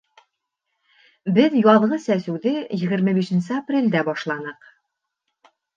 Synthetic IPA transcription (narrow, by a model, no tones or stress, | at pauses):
bɘðjɒðʁɤsæsʉ̆wðɘjɘ̆ɡɘ̆ɾmɘbiʃɘ̆nsɘaprʲelʲd̪æbɒʃlˠɑnɤq